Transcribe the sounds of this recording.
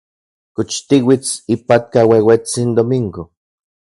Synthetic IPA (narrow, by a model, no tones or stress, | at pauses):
kot͡ʃt̪iwit͡sipat̪̚kawewet͡sind̪omiŋɡo